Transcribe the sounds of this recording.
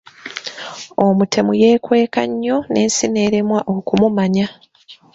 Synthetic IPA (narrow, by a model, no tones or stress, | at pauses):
omutʰe̞muje̞ːkwe̞ːka̰ɲːo̞nʔe̞ːnsine̞ːɾe̞mwaʔokumumaɲa